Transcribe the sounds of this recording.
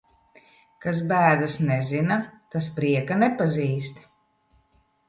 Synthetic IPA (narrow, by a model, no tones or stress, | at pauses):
kas̬bæːd̪asnɛzinat̪as̬pɾiɛkanɛpaziːst̪